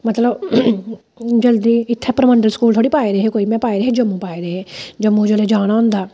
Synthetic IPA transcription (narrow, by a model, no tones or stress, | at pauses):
mət̪ləb | d͡ʒəld̪iːɪt̪ʰːepəɾməɳɖəlskuːlt̪ʰoːɽiːpaːiɾeːɦeːkoːiːmɛ̃ːpaːiɾeɦed͡ʒəmːũːpaːiɾeːɦeːd͡ʒəmːũd͡ʒoːleːd͡ʒaːɽ̃aːɦʊ̃ːnd̪aː